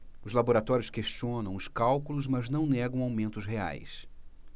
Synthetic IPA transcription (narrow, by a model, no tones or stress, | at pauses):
ʊzlaboɾat̪ɔɾjʊskeʃt͡ʃiõnɐ̃w̃ʊskawkulʊzmɐznɐ̃w̃nɛɡɐ̃w̃awmẽnt̪ʊzɦea̰js